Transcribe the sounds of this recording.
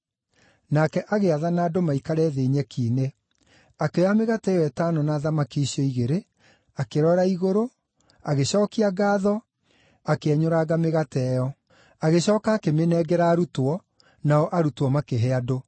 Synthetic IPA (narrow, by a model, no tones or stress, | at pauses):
nakɛʔaɣeaðanaːdomaikaɾɛːðeːɲɛkʰiːne | akeameɣatɛjɔɛtaːnɔnaːðamakiɕiɔiɣeɾe | akeɾɔɾaiɣoɾo | aɣeɕɔːkiaɡaːðɔ | akeɛɲoɾaɣameɣatɛjɔ | aɣeɕɔːkaːkemenɛɡɛɾaːɾutwɔ | naɔʔaɾutwɔmakeɦɛado